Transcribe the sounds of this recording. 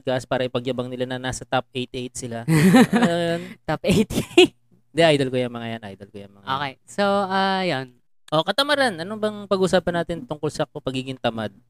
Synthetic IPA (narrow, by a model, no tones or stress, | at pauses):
ɡaʔspaːɾɐʔɪpɐɡjɐbɐŋnɪlanɐnaːsɐt̪ap̚ejt̪ʔejt̪̚sɪla | ojont̪apejt̪jt | nd̪ɛʔajd̪ɐlkojɐŋmɐŋajanʔa̰jd̪ɐlkojɐŋmɐŋaʔoːkejsoʔɐjon | ʔo̞kɐt̪ɐmɐɾanʔɐnobɐŋpɐɡʔuːsaːpɐnaːt̪ɪnt̪ʊŋkolsɐpɐɡiːɡɪŋt̪ɐmad̪̚